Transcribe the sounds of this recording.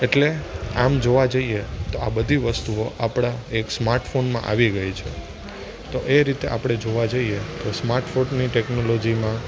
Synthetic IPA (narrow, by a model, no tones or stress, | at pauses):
eʈleamd͡ʒoʋad͡ʒəiet̪oabəd̪ʱiʋəst̪uoʔapɽ̃aeksmaɾʈfonmã̰ʔa̰ʋiɡəjt͡ʃʰe | t̪oʔeɾit̪eʔa̰pɽ̃ed͡ʒoʋad͡ʒəiet̪osmaɾʈfonniʈeknolod͡ʒimã